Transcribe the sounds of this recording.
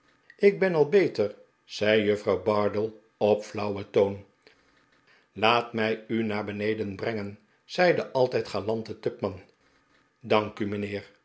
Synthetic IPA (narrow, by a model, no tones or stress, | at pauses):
ɪɡ̚bɛnɑlˠbejtəɹ | z̥ɛjjɵfrɑwbɑɹdəlˠ | ɔpflʌwətown | laːtmɛjynaːɹbənejdənbrɛŋən | z̥ɛjdəʔɑlˠtɛjtχaːlɑntətʏpmɑn | dɑŋkymənɪːɹ